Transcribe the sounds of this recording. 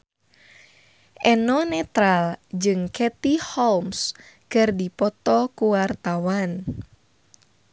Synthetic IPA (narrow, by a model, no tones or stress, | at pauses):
ʔɛnɔnɛt̪ɾald͡ʒɨŋkʰɛt̪ihɔlms | kɨrdipɔt̪ɔkuwart̪awan